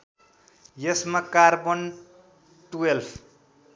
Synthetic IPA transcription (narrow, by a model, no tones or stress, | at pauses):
jʌsmakarbʌn | ʈuelpʰ